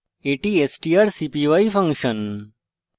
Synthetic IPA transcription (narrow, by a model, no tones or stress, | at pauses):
eːʈiːesʈiaɾsipiʋaifʰɐ̃ŋɡʃən